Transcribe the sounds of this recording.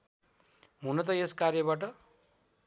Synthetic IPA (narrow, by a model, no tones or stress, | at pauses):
ɦunʌt̪ʌeskarjʌbaʈ̬ʌ